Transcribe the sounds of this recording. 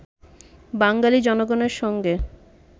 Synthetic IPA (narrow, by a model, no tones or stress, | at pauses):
baŋɡalid͡ʑɔnoɡoneɾʃɔŋɡe